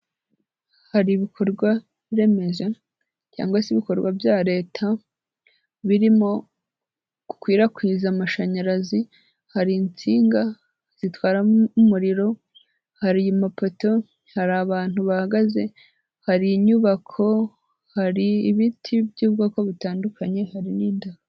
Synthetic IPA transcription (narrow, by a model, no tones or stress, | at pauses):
haɾiβikʰo̞ɾɡwa | ɾe̞me̞ʒe | ca̰ːŋɡwasiβiko̞ɾɡwabjaːɾe̞ːtʰa | βiɾimo̞ | ku̥kwiːɾakwizamaʃaɲaɾazi | haɾint͡siːŋɡa | z̥itwaːɾaumuɾiɾo̞ | haɾimapo̞to̞ | haɾaːβaːn̥huβahaɡaze̞ | haɾiɲuβakʰo̞ | haɾiːβitʰibjuːβɡakoβitaːndukʰaɲe̞haɾiniːndaha